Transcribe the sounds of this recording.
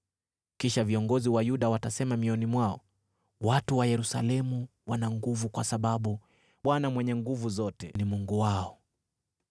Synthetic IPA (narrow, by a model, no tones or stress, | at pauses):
kiʃaviɔŋɡɔziwajuɗawatasɛmamiɔnimwaɔ | watuwajɛɾusa̰lɛmuwanaŋɡuvukwasaɓaɓu | ɓwanamwɛɲɛŋɡuvuzɔtɛnimuŋɡuwaɔ